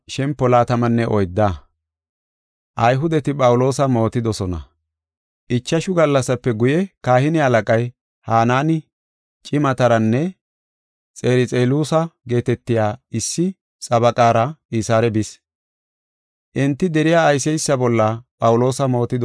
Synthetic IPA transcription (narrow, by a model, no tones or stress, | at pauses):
ʃɛmpːɔlaːt̪ɐmɐnːɛʔɔjd̪ːa | ʔɐjɦʊd̪ɛt̪ɪpʼɐwʊlo̞ːsɐmo̞ːt̪ɪd̪ɔsɔnɐ̰ | ʔɪt͡ʃːɐʃʊɡɐlːɐsːɐpːɛɡʊjɛkaːhɪnɪɐlɐkʼɐj | haːnaːnɪ | t͡ʃʼɪmɐt̪ɐɾɐnːɛ | t͡sʼe̞ːɾɪt͡sʼeːluːsɐɡe̞ːt̪ɛt̪ːɪjaːɪsːɪ | sʼɐbɐkʼaːɾɐiːsaːɾɛbɪs | ʔɪnt̪ːɪd̪ɛɾɪjaːjsɛjsːɐbɔlːɐpʼɐwʊlo̞ːsɐmo̞ːt̪ɪd̪ɔ